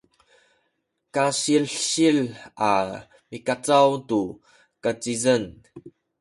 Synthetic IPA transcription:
kaɕilɕila̰ | mikat͡sawtu | kat͡sizən

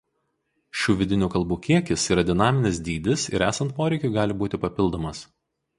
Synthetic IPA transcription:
ʃʲuːʋʲɪd̪ʲɪnʲuːkɐlˠbuːkʲiɛkʲɪsiːɾɐd̪ʲɪnɑːmʲɪnʲɪsd̪ʲiːd̪ʲɪsɪ̰ɾæːsɐnt̪̚poːɾʲɛɪkʲʊːɡɑːlʲɪbuːt̪ʲɪpɐpʲɪlˠd̪oːmɐs

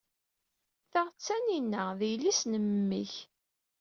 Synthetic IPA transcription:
θaʁt͡sːæninːæðijlːisnəmːḭç

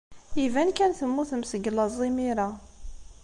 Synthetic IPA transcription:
ivænkænθəmːuθəmsəɡlɑzˤːimiɾa

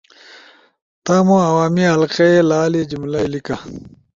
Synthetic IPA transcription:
t̪aːmũɐwaːmiɦɐlqeelaːlid͡ʑimlalika

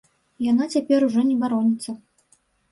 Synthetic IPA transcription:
janat͡sʲapʲɛɾuʐɔnʲɛbaɾɔnʲit̪sːɐ

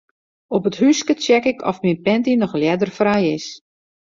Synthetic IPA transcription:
ɔpəthyskət͡ʃjɛkɪkʰɔ̰fminpɛntinɔxljɛdərfrajɪs

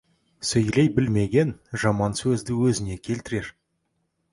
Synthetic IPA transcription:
sɵjlejbɪlme̞ɡʲe̞nʒɑmɑnsɵzd̪ɪwɵzɪne̞kʲʰe̞lt̪ɪɾe̞ɾ

